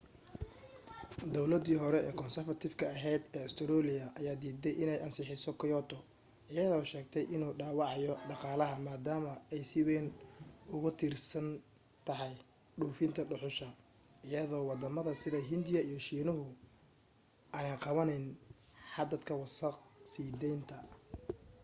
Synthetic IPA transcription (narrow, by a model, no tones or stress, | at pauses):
d̪ɔwlɐd̪iːɦɔɾɛɛ̰ːkʰɔnsɛrfɐt̪ʰɪfkʰɐɐɦɛjd̪ɛːst̪ʰɔɾɔːlɪjɐʔɐjaːd̪iːd̪ɛjʔɪnɛjɐnsɪħɪsɔkʰɪjɔt̪ʰɔ | ʔɪjɐðɔʃɛːɡ̚t̪ʰɛjʔɪnuːɖaːwɑʕɑjɔɖɑqɑːlɐɦɐmaːd̪aːmɐɛjsɪwɛːnʊɣʊt̪ʰiːrsɐn | t̪ʰɐɦɛj | ɖuːfɪnt̪ʰɐɖʊħʊʃɐ | ɪjɐðɔːwɑd̪ɐmɐðɐsɪðɐɦɪnd̪ɪjɐijɔʃiːnʊɦʊ | ʔɐːnɐqɑβɐnɛjnħɑd̪ɐd̪kʰɐwɑsɐqsiːd̪ɛjnt̪ʰɐ